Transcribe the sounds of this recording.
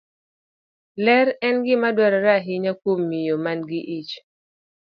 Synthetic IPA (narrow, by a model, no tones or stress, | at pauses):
lɛɾɛnɡɪmadwɛɾɔɾaɦɪɲakwomːijomanɡɪʔit͡ʃ